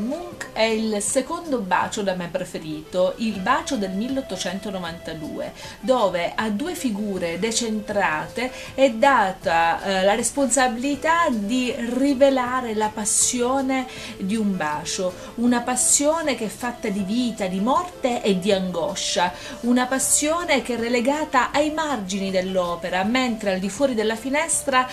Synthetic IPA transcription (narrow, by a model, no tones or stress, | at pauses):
muŋkɛilsekond̪oba̰ːt͡ʃod̪amɛpːɾefeɾiːt̪oʔilbaːt͡ʃod̪elmilːeot̪ːot͡ʃɛnt̪onovant̪ad̪ṵːḛ | d̪oːveʔad̪ːuːefiɡuːɾed̪et͡ʃent̪ɾaːt̪e | ɛd̪ːaːt̪alaɾesponsabilit̪ad̪irivelaːɾelapasːjoːne | d̪iumbaːt͡ʃo | unapasːjoːnekeɛfːat̪ːad̪iviːt̪ad̪imɔrt̪eʔed̪ːiaŋɡɔʃːa | unapasːjoːnekɛrːeleɡaːt̪aʔajmard͡ʒinid̪elːɔːpeɾament̪ɾeald̪ifwɔːɾid̪elːafinɛst̪ɾa